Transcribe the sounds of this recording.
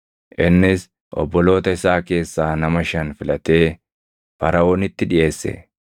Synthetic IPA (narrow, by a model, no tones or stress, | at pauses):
ʔɪnːɪs | ʔɔ̰bːɔlo̞ːt̪ɐɪsaːke̞ːsːaːnɐmɐʃɐnfɪlɐt̪e̞ː | fɐɾɐoːnɪt̪ːɪᶑɪje̞ːsːɛ̰